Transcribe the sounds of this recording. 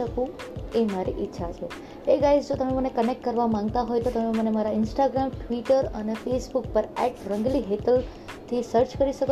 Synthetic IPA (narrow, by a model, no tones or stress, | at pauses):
əkũemaɾiʔɪtːʃʰat͡ʃʰe | eɡajzd͡ʒot̪əmẽmənekənek̚ʈkəɾʋamãŋɡt̪aɦojt̪ot̪əmẽmənemaɾaɪnsʈaɡɾamʈʋiʈəɾə̰nefesbuk̚pəɾɛʈɾə̃ŋɡliɦeʈəl | t̪ʰisəɾt͡ʃkəɾiʃəko